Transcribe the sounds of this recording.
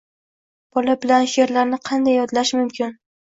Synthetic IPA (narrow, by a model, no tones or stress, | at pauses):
b̥ɒlabɪlanʃeɾlaɾnɪqʰɑnd̪ajːɒd̪laʃmʊmkʲʰɪn